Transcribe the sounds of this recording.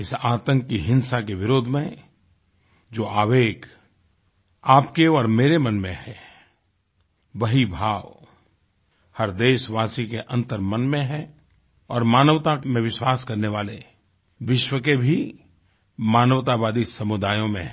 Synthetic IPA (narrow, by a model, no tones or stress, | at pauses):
ɪsaːt̪ə̃ŋkkiɦɪ̃nsak̬eʋɪɾoːd̪ʱmẽ | d͡ʒoːaːʋeːk | aːpkeɔːɾmeːɾemɐnmẽɦɛ | ʋɐɦibʱaːʋ | hɐɾd̪eːʃʋaːsikeʔɐ̃nt̪əɾmɐnmẽɦɛ | ɔːɾmaːnəʋt̪amẽʋɪʃwaːskɐɾneʋaːle | ʋɪʃwəkebʱi | maːnəʋt̪abaːd̪isɐmʊd̪aːjõmḛ̃ɦ